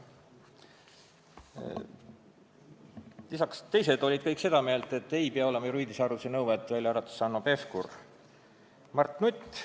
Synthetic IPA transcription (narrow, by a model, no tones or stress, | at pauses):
lisɑkst̪e̞jse̞d̪̥o̞lʲid̪̥̚kɤjkse̞d̪̥ɑme̞ːlt̪e̞t̪ːˑe̞jpeɑo̞le̞mɑjɾuiːd̪isɑɾusenɤwvɑt̪ːˑvælʲjɑɑɾɑt̪u̥sɑnːope̞fkur | mɑrt̪nut̪ʲː